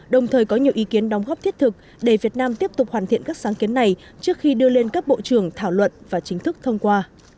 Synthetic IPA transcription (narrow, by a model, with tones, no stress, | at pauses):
ɗə˨˩wŋ͡mt̪ʰəː˨˩jkɔ˨˦ɲi˨˩əwʔi˨˦ki˨˦ənɗɔ˨˦wŋ͡mɣɔ˦˥p̚t̪ʰi˦˥ət̚t̪ʰɨ˨˩k̚ | ɗe˧˩vi˨˩ət̚naː˧mt̪i˦˥əp̚t̪ʊ˨˩k͡p̚hwaː˨˩nt̪ḭ˧˨nkaː˦˥k̚saː˨˦ŋki˨˦ənːa˨˩j | t͡ɕɨ˦˥ək̚xi˧ɗɨ˧əle˧nkaː˦˥k̚ɓo̰˧˨t͡ɕɨ˧˩əŋt̪ʰaː˧˩wlwə̰˧˨nvaː˨˩t͡ɕï˨˦ŋ̟t̪ʰɨ˦˥k̚t̪ʰə˧wŋ͡mkwaː˧